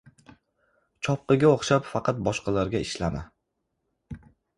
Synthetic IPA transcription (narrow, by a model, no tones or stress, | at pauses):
t͡ʃʰɒp̚qɨɡʲaoχʃapfɑqʰɑt̪̚bɒʃqɑlaɾɡʲaɪʃlama